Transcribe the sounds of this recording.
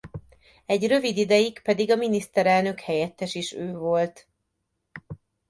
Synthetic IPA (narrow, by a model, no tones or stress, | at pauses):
ɛɟrø̞vid̪id̪ɛjikpɛd̪iɡɒminist̪ɛɾɛlnø̞khɛjɛt̪ːɛʃiʃøːvo̞lt̪